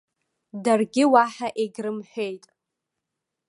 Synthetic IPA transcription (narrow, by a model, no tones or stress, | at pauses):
darɡʲɪwaħaʔeɡʲrɨmħʷᶣejtʼ